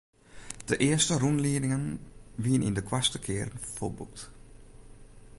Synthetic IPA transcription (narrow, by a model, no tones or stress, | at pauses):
d̥əʔɪəstərunliənɪŋənʋiənʔḭndəkʰwastəkʰɪːɾənfo̰lˠbṵk̚t